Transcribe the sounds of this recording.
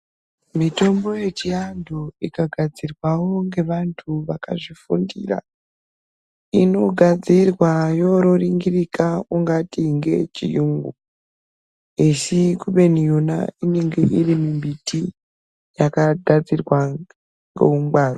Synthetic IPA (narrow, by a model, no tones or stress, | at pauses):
mito̞mbo̞je̞t͡ʃiandʱoikaɡʱad͡zirwawo̞ŋɡe̞ʋantʰuʋaka̰ʐifṵndḭra̰ | ino̞ɡʱad͡zirwajo̞ɾoriŋɡirikauŋɡatiŋɡe̞̰t͡ʃijuŋɡu | esikuɓe̞nijuna̰ine̞ŋɡeʔirimimbiti | jakadʱad͡zirwa | ŋɡḛumɡ͡baːro